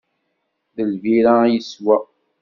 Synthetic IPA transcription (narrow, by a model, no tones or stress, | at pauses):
ðəlviɾajəswa